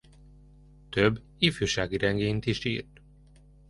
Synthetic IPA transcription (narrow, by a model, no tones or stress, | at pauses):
t̪øbː | ifyːʃaːɡiɾɛŋɡeːnt̪iʃḭːrt̪